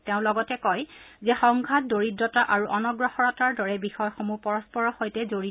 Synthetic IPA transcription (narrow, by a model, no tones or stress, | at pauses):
teʊ̃lɔɡɔtɛkɔjzɛxɔŋɡʱat̚doɹidɔtaʔaɹuʔɔnɔɡɹɔxɔɹɔtaɹdɔɹɛbixɔjɔxomupɔɹɔspɔɹɔxojtɛzoɹi